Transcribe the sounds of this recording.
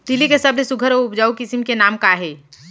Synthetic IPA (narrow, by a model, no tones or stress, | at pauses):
t̪ilikesəblesuɡʱəɾoupd͡ʒaːukisimkenamkaɦe